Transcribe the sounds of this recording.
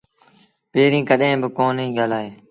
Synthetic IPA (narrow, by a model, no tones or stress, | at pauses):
peːɾĩːkəɗɦẽːbɪkoːnɦĩːɠaːlaːeː